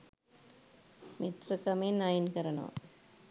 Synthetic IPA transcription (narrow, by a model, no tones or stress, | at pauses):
mit̪rəkɐmenːajinkəɾɐnɐ̰ʋɐ̰